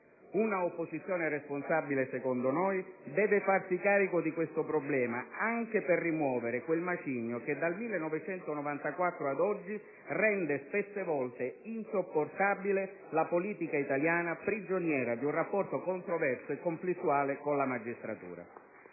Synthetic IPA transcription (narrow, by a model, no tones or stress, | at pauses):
unaopːozit̪sːjoːneresponsabilesekond̪onojd̪ɛːvefarsikaːɾikod̪ikwest̪opɾoblɛːmaaŋkeperːimwɔːveɾekwelmat͡ʃiɲjoked̪almilːenːɔvet͡ʃɛnt̪onɔvant̪akwat̪ːɾoad̪ɔd͡ʒːi | rɛnd̪espesːevɔlt̪einsopːort̪abile | lapoliːt̪ikait̪aljaːnapɾid͡ʒonjɛːɾad̪iunrapːɔrt̪okont̪ɾovɛrsoekːomflist̪ːuaːlekonlamad͡ʒist̪ɾat̪ṵːɾa̰